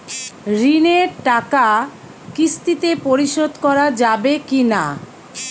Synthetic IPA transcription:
ɾineɾʈaka | kist̪it̪epoɾiʃod̪ʱkɔɾad͡ʑabekina̰

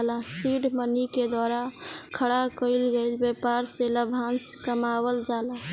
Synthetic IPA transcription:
lasiɖməniked̪waːɾakʰəɽakəɪlɡəɪlbjepaɾseləbʱanskəmabəld͡ʒaːlã

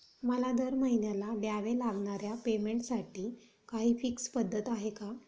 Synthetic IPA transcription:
məlad̪əɾməɦinjalaɖjaʋelaɡɳaɾjapemeɳʈsaʈiː | kaɦiːfikspəd̪ʱːət̪aɦeka

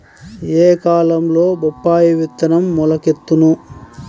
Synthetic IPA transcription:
eːkaːlɐmlo̞ːbɔpːaːjiʋit̪ːɐnɐmːulɐket̪ːunu

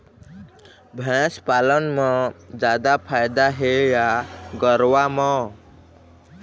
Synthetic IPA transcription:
bʱɛ̃spaːlənmãd͡ʒaːd̪apʰaːjd̪aɦejaɡəɾʋamã

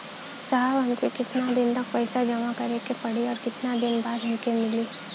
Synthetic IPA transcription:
saɦbɦɐmkekɪt̪nad̪ɪnt̪ɐk̚pɛɪsad͡ʒɐmakɐɾekepɐɽiɔːɾkɪt̪nad̪ɪnbaːd̪ɦɐmkemɪliː

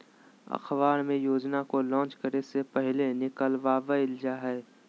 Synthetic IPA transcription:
ɐ̰xʰʋaːɾmẽjoːd͡ʒnakolɔ̃ːt͡ʃkəɾesepɛɦlenɪkəlʋaːʋəɪld͡ʒaɦɛː

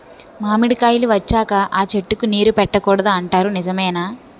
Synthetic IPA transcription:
maːmiɽikaːjiluʋɐt͡ʃːaːkɐʔaːt͡ʃe̞ʈːukuniːɾupɛʈːɐkɔːɽɐd̪aːɳʈaːɾunizɐmɐjnaː

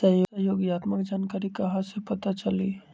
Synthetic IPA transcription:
səɦjoəɦjoːɡjaːt̪məkd͡ʒaːnkaːɾikɐɦãsepɐt̪at͡ʃəli

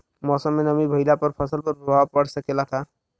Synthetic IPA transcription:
mɔsəmːenəmibʱəjlapəɾpʰəsəlpəɾubʱawapəɽsəkelat̪ʰa

